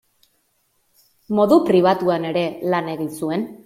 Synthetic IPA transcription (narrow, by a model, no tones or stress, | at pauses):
mo̞ðupɾiβ̞at̪uane̞ɾe̞lane̞ɣinsue̞n